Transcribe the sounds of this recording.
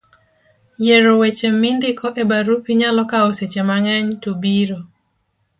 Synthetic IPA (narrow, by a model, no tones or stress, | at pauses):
jeɾowet͡ʃemɪndɪkʰɔʔebaɾupiɲalɔkaoset͡ʃemaŋɛɲtobiɾo